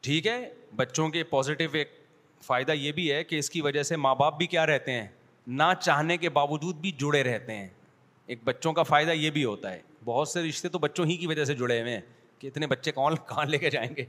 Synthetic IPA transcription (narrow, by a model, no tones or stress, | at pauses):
ʈʰiːkɦɛːbɐtːʃõkepɔːzɪʈɪʋeːk̚ | faːɪd̪ajeːbʱiɦɛkeɪskiʋɐd͡ʒəsemaːbaːp̚bʱikjaːɾɛɦt̪eɦɛ̃ː | nat͡ʃaːɦnekebaːʋʊd͡ʒuːd̪̚bʱid͡ʒʊɽeɾɛɦt̪eɦɛ̰̃ː | eːk̚bɐtːʃõkafaːɪd̪ajebʱiɦoːt̪aɦɛ̰ːbɔɦʊt̪seɾɪʃt̪et̪obɐtːʃõɦikiʋɐd͡ʒəs̬ed͡ʒʊɽeʋẽɛ̃ | keɪt̪nebɐtːʃekɔːnkaːnleːked͡ʒaːẽːŋɡeː